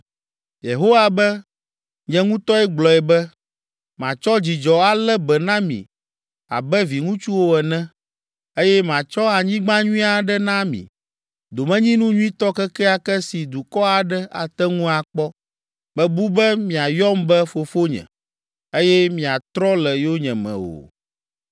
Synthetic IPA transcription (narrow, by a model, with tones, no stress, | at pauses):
je˨ɦo˦wa˨bɛ˦ | ɲɛ̃˦ŋũ˦t̪ɔ˦ɛ˦ɡ͡blɔ˨ɛ˨bɛ˦ | mã˨t͡ʃɔ˦d͡ʑi˨d͡ʒɔ˨a˨lɛ˦bɛ˨nã˦mḭ̃˨ | a̰˨bɛ˦vi˨ŋũ˦t͡ʃu˦wo˦ɛ˨nɛ̃˦ | e˦jɛ˦mã˨t͡ʃɔ˦a˨ɲĩ˦ɡ͡bã˦ɲũ˦ĩ˦a˨ɖɛ˦nã˦mḭ̃˨ | d̪o˨mɛ̃˦ɲĩ˦nũ˦ɲũ˦ĩ˦t̪ɔ˦kɛ˦kɛ˦a˨kɛ˦si˨d̪u˨kɔ˦a˨ɖɛ˦a̰˨t̪ɛ˦ŋũ˦a˨k͡pɔ˦ | bɛ̃˨bu˦bɛ˦mĩ˨a˨jɔ˦mbɛ˦fo˨fo˦ɲɛ̰̃˨ | e˦jɛ˦mĩ˨a˨t̪ɾɔ˦lɛ˨jo˦ɲɛ̃˨mɛ̰̃˨o̰˨